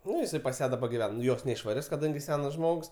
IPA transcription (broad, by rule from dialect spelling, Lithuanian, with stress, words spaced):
ˈnʊ jɪˈsɐɪ pɐs ˈjæː dɐˈbɐ ɡʲɪˈʋʲɛn ˈjoːs nʲɛɪʃʋɐˈrʲɪs kɐˈdɐŋʲɡʲɪ ˈsʲæːnɐs ˈʒmoːks